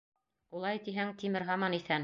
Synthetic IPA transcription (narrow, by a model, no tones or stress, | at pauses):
ulˠɑjt̪iɦæŋt̪imɘɾɦɑmɑniθæn